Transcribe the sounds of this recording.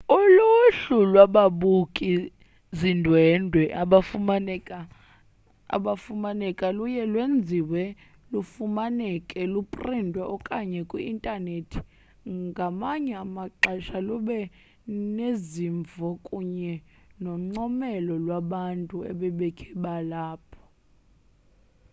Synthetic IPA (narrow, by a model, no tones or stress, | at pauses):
uluɬulwaɓaɓukʼi | zindʱwɛndʱwɛʔaɓafuaɛa | a̰ɓafumanɛkʼalujɛlwend͡zʱiwɛ | lufumanɛkʼɛlupʼrindʱwɛʔɔkʼaɲɛkʼwiintʼanetʰi̥ | ŋɡʱamaɲɛamaǃaʃalɔɓɛ | neziɱvʱɔkʼuɲɛ | nɔŋ͡ǃɔmɛlɔlwaɓantʼuɛ̰ɓɛɓɛkʰɛɓalaːpʰɔ̥